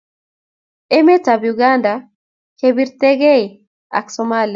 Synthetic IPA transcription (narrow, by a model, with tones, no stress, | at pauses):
e˦me˦ta˨bjuɡa˦nda | kebi˦ɾt̪ɛ˦ɡe˦i˨ | a̰˨ksɔma˦li˨a˨